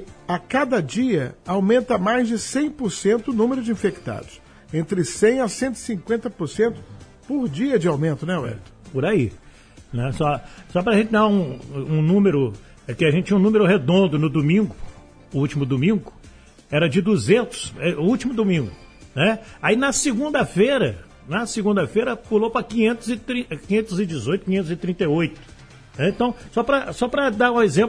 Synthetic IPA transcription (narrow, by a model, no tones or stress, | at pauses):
akad̪ɐd͡ʒiɐawmẽnt̪ɐmajzd͡ʒɪsẽj̃poɾsẽnt̪ʊːnũmeɾʊd͡ʒɪĩfekt̪a̰d̪ʊs | ẽnt̪ɾɪsẽj̃ɐsẽnt̪ʊɪ̥sĩŋkwẽnt̪ɐpoɾsẽnt̪ʊ̥ | poɾd͡ʒiɐd͡ʒɪawmẽnt̪ʊnɛwɛ̰ɾt̪pʊɾai | nɛsɔsɔpɾɐʒẽnt͡ʃɪd̪aũũnũmeɾʊ | ɛkɪaʒẽt͡ʃɪt͡ʃĩnũmeɾʊɦed̪õnd̪ʊnʊd̪omĩŋɡʊ | ut͡ʃimʊd̪umĩɡʊ | ɛɾɐd͡ʒɪd̪uzẽnt̪ʊ̥sɛuwt͡ʃimʊd̪umĩŋɡʊnɛainɐsɪɡũnd̪ɐfejɾɐ | nɐsɪɡũnd̪ɐfejɾɐpulopɾɐkĩɲẽnt̪ʊzɪt̪ɾĩkĩɲẽnt̪ʊzɪd͡ʒɪzojt̪ʊ̥kiɲẽt̪ʊzɪt̪ɾĩnt̪ejojt̪ʊ̥ | nɛẽt̪ɐ̃w̃sɔpɾɐsɔpɾɐd̪aɾũezẽmp